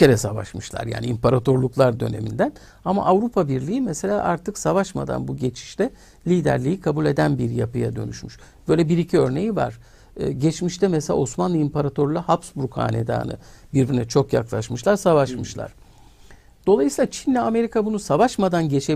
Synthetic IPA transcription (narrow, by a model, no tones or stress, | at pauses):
eɾɛsava̰ʃmɯʃlˠa̰ɾja̰ːniimpaɾat̪ʰoɾlˠuklˠaɾd̪ø̞̰ne̞̰mind̪æn | ama̰ʔavɾupʰabiɾlʲiimɛse̞lʲaːʔaɾt̪ʰɯksavaʃma̰d̪a̰nbuɟe̞t͡ʃʰi̥ʃt̪ɛ | lʲiːd̪æ̰ɾlʲijikʰabulʲe̞d̪ænbiɾja̰pɯjad̪ø̞̰ny̰ʃmyʃ | b̥ø̞ːlʲɛbiɾicʰiø̞ɾne̞jiva̰ɾ̥ː | ɟɛt͡ʃmiʃt̪ɛmɛselʲa̰osmanlˠɯimpʰaɾat̪ʰo̞ɾlˠahapsbuɾkha̰ːnḛd̪a̰ːnɯ̰biɾbiɾinɛt͡ʃʰo̞kjaklˠaʃmɯʃlˠaɾsavaʃmɯʃlˠa̰ɾ̥ | d̪̥o̞lˠajɯsiːlˠat͡ʃʰinlɛame̞ɾikʰabunusavaʃmad̪anɟe̞t͡ʃʰe